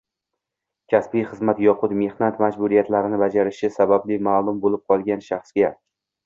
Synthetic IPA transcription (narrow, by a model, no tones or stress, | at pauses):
kʲʰasbijχɨzmat̪jɒqʰʊt̪me̞hnat̪mad͡ʒbʊɾijat̪laɾɪnɪbad͡ʒaɾɪʃɪsabablɪmaːlˠʊmbolɪp̚qʰɒlˠɡʲanʃaχsɡʲa